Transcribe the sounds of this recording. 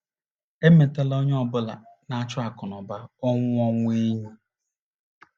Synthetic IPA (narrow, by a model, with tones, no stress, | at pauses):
e˦me˨te˦lɔ˦ɲ˦ɔ˦bʊ˦la̰˨na˨a˦t͡ʃʊ˦a˨kʊ˨nɔ˨ba˦ɔ˦ŋʷʊ˦ɔ˦ŋʷ˦e˦ɲu˦